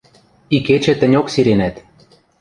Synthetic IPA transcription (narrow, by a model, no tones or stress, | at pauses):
iket͡ɕɘ̆t̪ɘ̆nʲoksiɾenæt̪